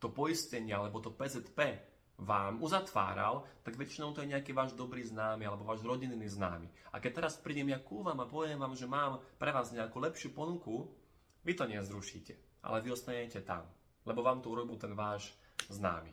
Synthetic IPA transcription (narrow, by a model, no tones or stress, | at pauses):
t̪ɔpɔjiscɛɲɪalɛbɔt̪ɔpɛːzɛt̪pɛː | ʋaːmuzat̪ʋa̰ːɾa̰lt̪aɡʋɛt͡ʃinɔʊt̪ɔjɛɲɛakiːʋaːʒd̪ɔbɾiːznaːmialɛbɔʋaːʒɾɔɟinːiːzna̰ːmḭa̰kɛc̚t̪ɛɾaspɾiːɟɛmjakuːʋamapɔʋɛmʋaːmʒɛmaːmpɾɛʋaːzɲɛakuːlɛpʃɪupɔnuku | ʋit̪ɔɲɛzɾuʃḭːcɛ | ʔa̰lɛʋiɔst̪aɲɛcɛt̪a̰m | lɛbɔʋaːmt̪ɔuɾɔbilt̪ɛnʋaːʒzna̰ːmḭ